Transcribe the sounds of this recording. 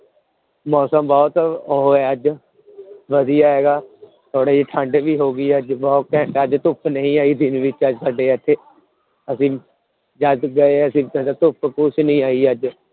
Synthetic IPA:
mɔːsəmbɔːt̪ːɦoɛːəd͡ʒ | ʋəd̪ijaːɦeːɡaː | t̪ʰoːɽaːiːʈʰãːɳɖebiːɦoːɡiːəd͡ʒbɔːt̪kɛəd͡ʒt̪ʊpʰnəɦĩːaːiːd̪ɪnʋɪt͡ʃəd͡ʒsəɖeːət̪ʰːeː | əsĩː | d͡ʒəd̪ɡəeːəsĩːd̪at̪ʊpʰkʊt͡ʃnəĩːaːiːəd͡ʒ

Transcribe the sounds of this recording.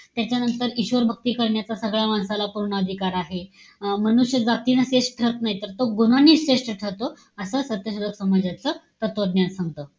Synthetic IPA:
t̪jat͡ɕjanənt̪əɾiɕʋəɾbʱək̚t̪iːkəɾɳjat͡sasəɡɭjamansalapuɾɳəəd̪ʱikaɾaɦe | mənuɕjəd͡zat̪iːnəseʂʈʈʰəɾət̪naɦit̪əɾt̪oɡunaniːeʂʈəʈʰəɾt̪o | əsəsət̪jəɕuɾəksəməd͡ʑjat͡sət̪ət̪ʋəd̪njansãŋɡt̪ə

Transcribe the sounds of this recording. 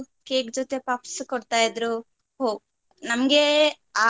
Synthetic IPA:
keːɡd͡ʒot̪e̞papskɔɽt̪aːjɐd̪ɾu | ɦoːɡ | nɐmɐɡe | aː

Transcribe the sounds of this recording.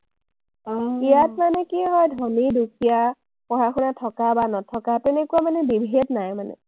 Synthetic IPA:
ijatmanɛkiɦɔjdʱɔnidukʰija | pɔɦaxunatʰɔkabanɔtʰɔkatɛnɛkuamanɛbibʱednajmanɛ̰

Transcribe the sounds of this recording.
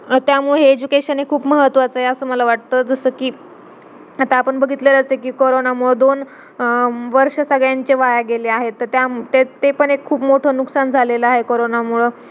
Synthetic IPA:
t̪jamuɭeɦeed͡ʑukeɕənekʰuːpməɦət̪ːʋat͡səɦeəsəːməlaʋaʈt̪əːd͡zəsəːkiː | at̪aːpəɳbəɡʱit̪ləɾət͡s̪ekiːkoɾonamuɭəd̪on | ʋəɾʂəsəɡɭjaɲt͡ɕeʋajaɡeleaɦet̪ːəɾt̪jat̪et̪epəɳekʰːuːpmoʈʰəːnuksand͡zʱaleləaɦekoɾonamuɭə

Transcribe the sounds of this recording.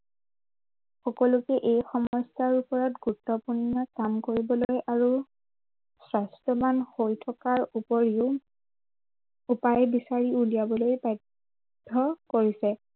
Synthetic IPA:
xɔkɔlʊkɛʔejxɔmɔstaɹupɔɹɔtɡutːɔpunːɔkamkoɹibɔlojaɹu | sɹastɔbanhojtʰɔkaɹupɔɹiʊ | upajbisaɹiulijabɔlojpa | dʱɔkoɹisɛ

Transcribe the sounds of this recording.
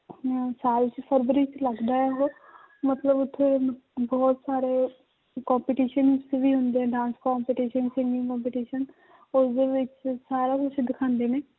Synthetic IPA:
saːlt͡ʃpʰəɾbəɾit͡ʃləɡd̪aːɛɦoː | mət̪ləbʊt̪ʰːebɔːt̪saːɾeː | kɔːmpiːʈiːʃənʊsebiːɦʊ̃nd̪eːɦɛ̃ːɖãːnskɔːmpiːʈiːʃənsɪŋɡɪ̃ŋkɔːmpiːʈiːʃən | ʊsd̪eːʋɪt͡ʃsaːɾaːkʊt͡ʃʰd̪ɪkʰãːnd̪eːneː

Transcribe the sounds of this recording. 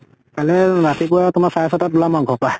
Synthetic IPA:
kalɛɹatipʊatʊmasajsɔtat̚bʊlamaɡʱɔpaj

